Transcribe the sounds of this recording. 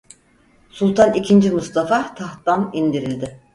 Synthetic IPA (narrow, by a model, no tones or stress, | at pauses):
sulˠt̪ʰanicʰind͡ʒimust̪ʰafat̪ʰaht̪anind̪iɾilʲd̪ɪ